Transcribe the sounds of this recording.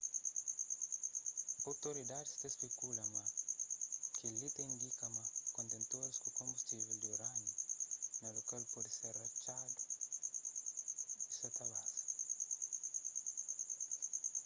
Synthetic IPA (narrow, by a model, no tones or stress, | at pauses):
awt̪oɾid̪ad̪ist̪espekulɐma | kilit̪eĩnd̪ikɐmakõnt̪ẽnt̪oɾiskukõmbust̪iveld̪ioɾanunɐlokalpɔd̪ɪseɾat͡ʃad̪u | iset̪ɐbasi̥